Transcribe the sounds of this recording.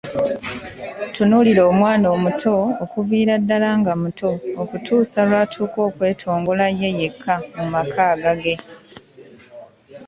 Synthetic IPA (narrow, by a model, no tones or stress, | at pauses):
tunuliɾo̞ːmwaːno̞ːmutʰo̞ːkuviːɾadːalaːŋɡamutʰo̞ːkutuːsalwaːtʰuːko̞ːkwe̞ːtʰo̞ːŋɡolaje̞je̞kʰːamumakʰaːɡaɡe̞